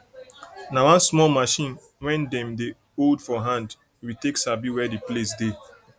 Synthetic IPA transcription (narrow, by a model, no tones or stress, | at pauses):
nawãnsmɔlmaʃĩn | wɛ̃ndɛ̃mde | oldfɔɦãnd | iwiteksabiwɛdiplesde